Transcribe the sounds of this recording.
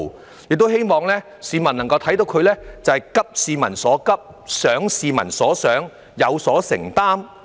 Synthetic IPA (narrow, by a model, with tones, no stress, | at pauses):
jɪ˨k̚t̪whe˥jmɔː˨˧ŋlɛː˥ | siː˧mɐ˨˩nɐ˨˩ŋkɐ˧wt̪ʰɐ˨˥jt̪o˨˥wkʰɵ˧ɥlɛː˥t͡sɐ˨˧hɐ˨˩jkɐ˥p̚siː˧mɐ˨˩nsɔː˨˥kɐ˥p̚ | sœː˨˥ŋsiː˨˧mɐ̰˨˩nsɔː˨˥sœː˨˥ŋ | jɐ˨˧wsɔː˨˥sɪ̰˨˩ŋt̪aː˥m